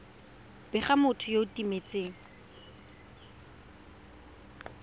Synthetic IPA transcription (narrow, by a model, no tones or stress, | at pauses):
bɪχamʊtʰʊjoʊtimet͡sʼeːŋ̩